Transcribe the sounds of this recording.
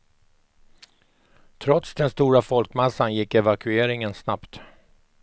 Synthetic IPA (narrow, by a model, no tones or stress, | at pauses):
t̪ʰɾɔt̪sd̪ɛnst̪uːɾafɔlkmɛsːanjɪkːɛvakʰɵeːɾɪŋənsnapt̪